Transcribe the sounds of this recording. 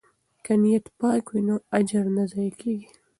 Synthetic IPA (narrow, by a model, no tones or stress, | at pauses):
kanijat̪pɑːkwinoad͡ʒaɾnazɑjakeːɡi